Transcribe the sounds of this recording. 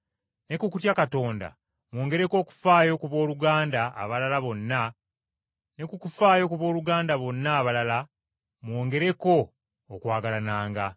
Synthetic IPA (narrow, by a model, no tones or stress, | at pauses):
ne̞kukutjakato̞ːnda̰ | mwo̞ːŋɡe̞ɾe̞ko̞ːku̥faːjo̞kuβo̞ːluɡaːnda̰ːβalalaβo̞nːa | ne̞kukufaːjo̞kuβo̞ːluɡaːndaβo̞nːaːβalala | mwo̞ːŋɡe̞ɾe̞ko̞ː | kwaːɡalanaːŋɡa